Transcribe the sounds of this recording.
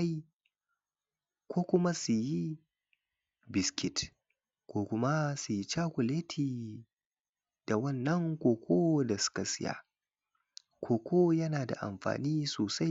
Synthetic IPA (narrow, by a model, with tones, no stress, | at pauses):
kʷoː˦kʷʊ˦ma˦su˨ji˦ | bɪ˨skʲɪ˦t | kʷoː˦kʷʊ˦ma˦su˨ji˦t͡ʃaː˦kʷʊ˨leː˦tʰiː˨ | d̥a˨wɐ˦nːɐ˦ŋkʷoː˦kʷʰoː˦da˨sʊ̥˦ka˨sɪ˦ja̰ː˨ | kʷʰoː˨kʷʰoː˦jɐ˦naː˨da̰˨ʔa̰˨mɸa̰ː˨niː˦soː˨sa˦j